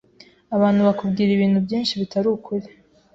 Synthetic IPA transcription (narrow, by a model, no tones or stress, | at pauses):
aβaːnhuβakubɡiːɾiβiːn̥hubjiːnʃiβitʰaɾuːkʰuɾe